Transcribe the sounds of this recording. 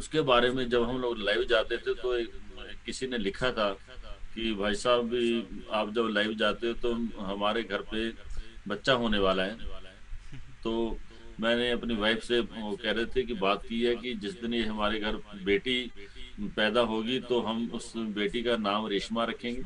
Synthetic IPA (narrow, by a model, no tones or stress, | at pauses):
ʊskebaːɾemẽd͡ʒɐbɦɐmloːɡlaːɪʋd͡ʒaːt̪et̪ʰet̪oeːɪsinelɪkʰat̪ʰa | kibʱaːjsaːbbʱiaːpd͡ʒɐblaːɪʋd͡ʒaːt̪eɛ̃t̪oɦɐmaːɾeɡʱɐɾpebɐtːʃaɦoːneʋaːlaɦɛː | t̪oːmɛ̃ːneɐpniʋaːɪfsekɛɦɾɐɦet̪ʰekibaːt̪̚kiɦɛkid͡ʒɪsd̪ɪnjeɦɐmaːɾeɡʱɐɾbeːʈi | pɛːd̪aɦoːɡit̪oɦɐmʊsbeːʈikanaːmɾɪʃmaɾɐkʰẽːŋɡeː